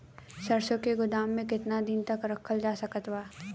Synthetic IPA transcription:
sɐɾsokeɡʊd̪aːmːẽkɪt̪nad̪ɪnt̪ɐkɾɐkʰːəld͡ʒaːsɐkət̪ʋaː

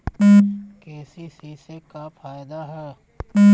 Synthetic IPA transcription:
keːsisisekafaːjd̪aɦɛː

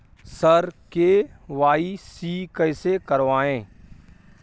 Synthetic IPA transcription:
səɾkeʋaːisiːkəɪsekɐɾʋaːẽː

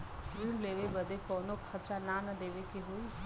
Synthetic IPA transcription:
jiɳleːʋebɐd̪ekɔːnokʰɐt͡ʃananɐd̪eːʋekeɦoi

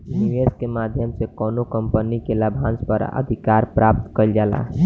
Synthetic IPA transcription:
niʋeskemad̪ʱjəmsekɔnokəmpənikelabʱãnspə̰ɾə̰d̪ʱikaɾpɾap̚t̪kəld͡ʒala̰

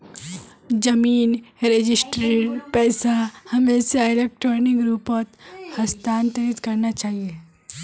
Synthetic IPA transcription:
d͡ʒɐmiːnɾed͡ʒɪsʈɾeːʈpɛːsahɐmẽːseɪleːk̚ʈɾɔːɾnɪ̃ŋɡɾuːpot̪hɐst̪aːnt̪əɾit̪kɐɾnat͡ʃaːɦie

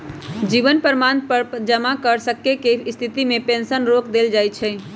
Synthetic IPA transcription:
d͡ʒiβənpəɾmanpəɾd͡ʒəmakəɾsəkːekest̪ʰit̪imepẽnsənɾokd̪eld͡ʒajt͡ʃʰɛ

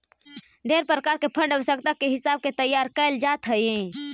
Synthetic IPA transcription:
ɖ̪ʱeːɾpɾəkaːɾkepʰə̃ɳɖəʋəsəkt̪akeɦɪsaːb̚ket̪əjːaːɾkəɪld͡ʒaːt̪ɦəiẽ

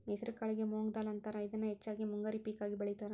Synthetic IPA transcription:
meːsɐɾkɐɭiɡemoːŋɡd̪aːlɐnt̪aːɾɐid̪ɐnːɐɦɛt͡ʃːaːɡimuŋɡaːɾipiːkaːɡibɐɭɛjt̪aːɾɐ

